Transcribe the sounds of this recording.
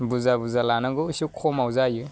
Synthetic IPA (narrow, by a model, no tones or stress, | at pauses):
buzabuzalanaɡɯusukʰɔmawzajɯ